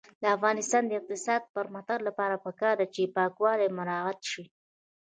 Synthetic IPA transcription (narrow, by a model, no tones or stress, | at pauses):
d̪əafɣɑnɪst̪ɑnd̪əɪq̚t̪ɪsɑd̪̚pəɾmat̪aɾlapɑɾapəkɑɾd̪at͡ʃepɑkwɑlajmʊɾɑɣat̪ʃi